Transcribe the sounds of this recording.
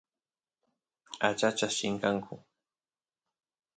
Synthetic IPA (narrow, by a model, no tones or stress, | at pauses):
at͡ʃat͡ʃasʃɪŋkaŋkʰʊ